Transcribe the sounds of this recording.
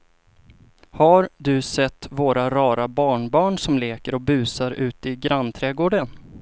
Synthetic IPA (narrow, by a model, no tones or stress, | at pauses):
haɾd̪ɵsɛt̪ːvoːɾaɾɑːɾabɑːɳbɑːɳsɔmleːkəɾɔbʉ̟ːsaɾʉ̟ːt̪ɪɡɾanːt̪ʰɾɛːɡoːɖən